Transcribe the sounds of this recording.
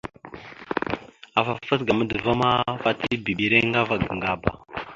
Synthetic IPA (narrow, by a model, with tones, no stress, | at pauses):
a˨fa˨fə˦sɡa˨mə˦də˨va˦ma˦fa˦ti˦bi˨ɓi˨ɾe˦ŋɡa˦va˨ɡə˨ŋɡa˦ba̰˨